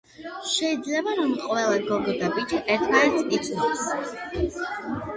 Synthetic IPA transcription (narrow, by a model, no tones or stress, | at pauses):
ʃɛid̪zlɛbaɾɔmqʼwɛlˠaɡɔɡɔd̪abid͡ʒiʔɛɾt̪ʰmaɛɾt̪ʰʼit̪sʼis